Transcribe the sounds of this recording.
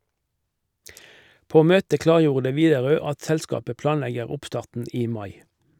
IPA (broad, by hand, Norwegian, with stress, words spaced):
ˈpoː ˈmøːtə ˈklɑːʁˌjuːʁdə ˈʋiːdɛˌʁøː ˈɑt ˈsɛlˌskɑːpə ˈplɑːnˌlɛɡəʁ ˈʊpˌstɑːʁtn̩ ˈiː ˈmɑɪ